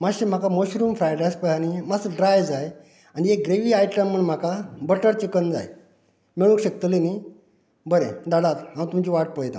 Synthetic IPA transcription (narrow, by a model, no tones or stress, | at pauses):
maɕem̤akamoɕɾuːmfɾajɖajspəjanimasəɖɾajd͡zaj | aniek̚ɡɾeʋiːajʈəmːəɳm̤akabəʈəɾt͡ɕikənd͡za̰j | miɭũŋkɕək̚t̪leni | bəɾed̪aɽat̪ɦãmt̪umt͡ɕiʋaʈ̚pəjt̪ã̰